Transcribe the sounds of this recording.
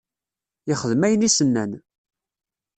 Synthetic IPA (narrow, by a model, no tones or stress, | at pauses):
ɪχəðmæjənisənːæn